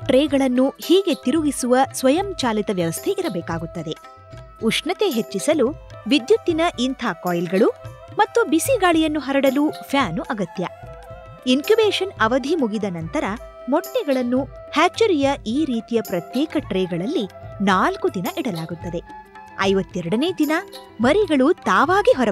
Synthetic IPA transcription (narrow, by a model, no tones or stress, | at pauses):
ʈɾeːɡɐɭɐnːuhiːɡe̞t̪iɾuɡisuʋɐsʋɐjɐmt͡ʃaːlit̪ɐʋjɐʋɐst̪ʰeʔiɾɐbɛːkaːɡut̪ːɐd̪e̞ | uʂɳɐt̪e̞ɦet͡ʃːisɐluʋid̪jut̪ːinɐʔint̪ʰaːkɔːjlɡɐɭumɐt̪ːubisiɡaːɭijɐnːuɦɐɾɐɽɐluːpʰjaːnuʔɐɡɐt̪jɐ | inkjubeːʂɐnɐʋɐd̪ʱimuɡid̪ɐnɐnt̪ɐɾɐ | mɔʈnɛɡɐɭɐnːu | haːt͡ʃːɐɾijɐiːɾiːt̪ijɐpɾɐt̪jɛːkɐʈɾeːɡɐɭɐlːinaːlkud̪inɐʔiɽɐlaːɡut̪ːɐd̪e̞ | ɐjʋɐt̪ːɛɾɐɽɐneːd̪inɐ | mɐɾiɡɐɭut̪aːʋaːɡiɦɔɾɐ